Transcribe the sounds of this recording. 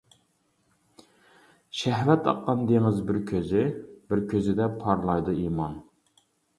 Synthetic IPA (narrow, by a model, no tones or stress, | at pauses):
ʃɛɦvɛt̪ɑ̰qːɑnd̪eŋɪzbɪɾkʲʰøzɪbɪɾkʲʰøzɪd̪ɛpʰɑɾlˠɑjd̪uimɑn